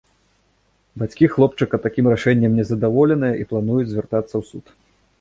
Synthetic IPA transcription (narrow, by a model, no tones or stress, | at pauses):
bat͡sʲkʲixlˠɔp̚t͡ʂɨkɐt̪akʲimraʂɛnʲːɛmnʲɛzɐd̪avɔlʲɛnɨjɐʔiplˠanujud͡zʲzʲvʲɛrt̪at̪sːɐwsut̪